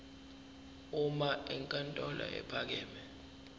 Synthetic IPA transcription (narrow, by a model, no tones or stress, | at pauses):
umaʔɛŋkʼantʼɔla̰ʔɛ̰pʰak̬ɛːmɛ